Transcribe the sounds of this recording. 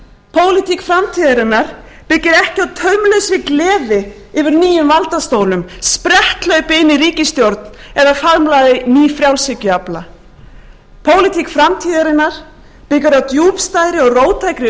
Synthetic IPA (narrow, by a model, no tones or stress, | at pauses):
pʰoːwlɪt̪ikfɾamt̪ʰiːðaɾɪnːaɾ̥ | pɪcːɪɾɛhcɪawt̪ʰœɥmlœwsvɪklɛːvɪ | ɪvɪɾniːjʏmvalt̪ast̪oːwlʏmspɾɛht̪lœɣpɪɪnːɪɾiːcɪst̪jowɾt̪nɛðafaɾmlaːjðɪniːfɾjawlsɪcʏapla | pʰoːwlɪt̪ʰikfɾamt̪ʰiːðaɾɪnːaɾ̥ | pɪcʏɾawt̪juːpst̪aːjɾɪɔɣroːwt̪ʰajkɾɪ